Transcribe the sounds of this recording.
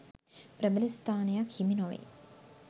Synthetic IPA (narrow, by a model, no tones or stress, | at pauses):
pɾəbəlist̪aːnejakhiminoʋḛ